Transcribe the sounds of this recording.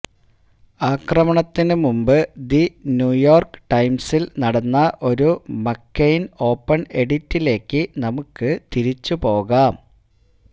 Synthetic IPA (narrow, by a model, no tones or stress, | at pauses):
aːkrɐmɐɳɐt̪ːinɨmumbɨd̪injuːjo̞ːrkɨ̥ʈɐjmsilnɐɽɐnːɐʔo̞ɾumɐkːejno̞ːpːɐɳe̞ɽitːile̞ːkːɨnɐmukːɨt̪iɾit͡ɕːupo̞ːɣaːm